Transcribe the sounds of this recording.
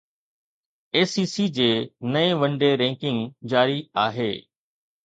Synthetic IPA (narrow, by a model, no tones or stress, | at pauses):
eːsiːsiːd͡ʑeːnɐẽʋə̃ɳɖeɾɛ̃ːŋkɪ̃ŋɡd͡ʑaːɾiaːɦeː